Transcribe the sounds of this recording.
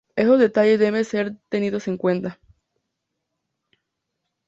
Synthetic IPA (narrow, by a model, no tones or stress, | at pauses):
esozðe̞t̪aʝeðe̞βeseɾt̪e̞niðose̞ŋkwe̞nt̪a